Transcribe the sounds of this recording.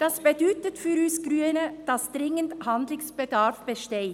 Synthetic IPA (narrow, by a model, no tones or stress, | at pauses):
d̥ɑsb̥ədyːtətfyːɾyːsɡ̥ɾyːənəd̥ɑsd̥̪ʁɪŋənthand̪lɪsb̥ədaʁfb̥əʃteː